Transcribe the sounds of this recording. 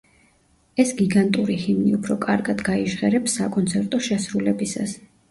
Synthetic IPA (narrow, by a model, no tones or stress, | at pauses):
ɛsɡiɡant̪ʼuɾihimniupʰɾɔkʼaɾɡad̪ɡaiʒʁɛɾɛpsːakʼɔnt̪sʰɛɾt̪ʼɔʃɛsɾulɛbisa̰s